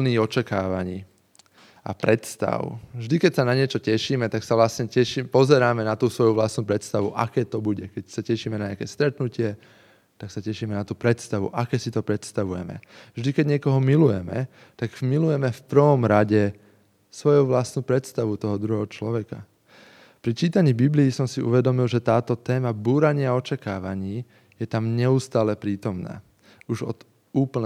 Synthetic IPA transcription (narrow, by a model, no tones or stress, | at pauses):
niːɣɔt͡ʃakaːʋaɲiː | a̰pɾɛt̪st̪a̰ʊvʒd̪ikɛcsanaɲɪɛt͡ʃɔcɛʃiːmɛt̪aksaʋlasɲɛcɛʃipɔzɛɾaːmɛnat̪uːsʋɔjuʋlast̪nuːpɾɛt̪st̪aʋuʔakɛːt̪ɔbuɟɛkɛcsacɛʃiːmɛnaɲɪakɛːst̪ɾɛt̪nucɪɛ | t̪aksacɛʃiːmɛnat̪uːpɾɛt̪st̪aʋṵʔakɛːsit̪ɔpɾɛt̪st̪aʋujɛ̰mɛ̰vʒd̪ikɛɟɲɪɛkɔɦɔmilujɛmɛ | t̪aɡmilujɛmɛfpr̩ʋɔmɾaɟɛ | sʋɔjuʋlast̪nuːpɾɛt̪st̪aʋut̪ɔɦɔd̪ɾuɦɛɦɔt͡ʃlɔʋɛka̰ | pɾit͡ʃiːt̪aɲiːbibliːsɔmsiʔṵʋɛd̪ɔmilʒɛt̪aːt̪ɔt̪ɛːmabuːɾaɲɪaɔt͡ʃakaːʋaɲiː | jɛt̪amɲɛust̪aːlɛpɾiːt̪ɔmna̰ː | uʒɔ̰d̪̥ | uːpl̩n